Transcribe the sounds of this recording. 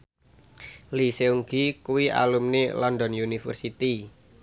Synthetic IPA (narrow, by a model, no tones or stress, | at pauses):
liseuŋɡikuwiʔa̰lumnelɔnd̪ɔnjunifə̰rsit̪i